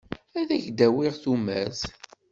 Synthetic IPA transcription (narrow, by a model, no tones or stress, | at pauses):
æðæʝd̪æwɪʁθumæz